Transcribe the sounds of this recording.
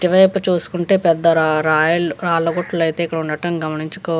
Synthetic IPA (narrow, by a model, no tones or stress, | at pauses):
ʈiʋɐjpːut͡ʃuːsu̥kuɳʈe̞ːpɛd̪ːɐɾɾaːjɐluɾaːlɐɡoʈlɐlɐjt̪e̞ːikːɐɽɐuɳɖɐʈɐmɡɐmɐniɲt͡ʃu̥kɔː